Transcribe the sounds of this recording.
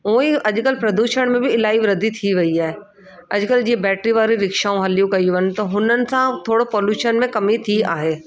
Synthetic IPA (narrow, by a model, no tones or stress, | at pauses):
ũiɐʄkəlpɾɐd̪uːʃəɽ̃mẽbʱɪɪlaːiʋɾɐd̪ʱit̪ʰiʋɐiaːɦe | ɐʄkəld͡ʑiːebɛːʈɾiʋaːɾiɾɪkʃaːũɦɐljũkɐiʋənɪ̆t̪ɐɦʊnənɪ̆sãt̪ʰoːɽopɔːljuːʃənmẽkɐmit̪ʰia̰ːɦeː